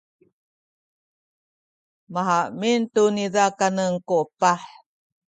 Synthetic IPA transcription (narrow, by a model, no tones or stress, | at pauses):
maɦaʔmintuniðakanəŋkoʔpaħ